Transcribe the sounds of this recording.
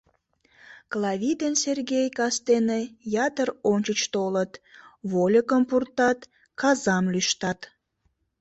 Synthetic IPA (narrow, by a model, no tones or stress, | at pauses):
klɑβʲid̪ensʲerɡʲejkɑst̪enejɑt̪əronʲt͡ɕət͡ɕt̪olət̪βolʲəkəmpurt̪ɑt̪ | kɑzɑmlyʃt̪ɑt̪